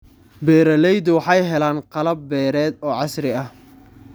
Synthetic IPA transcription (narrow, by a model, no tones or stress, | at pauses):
bɛːɾɐlɛjd̪ʊwɑħɑjɦɛlaːnqɑlɐbːɛːɾɛːd̪ɔːʕɑsɾɪɐh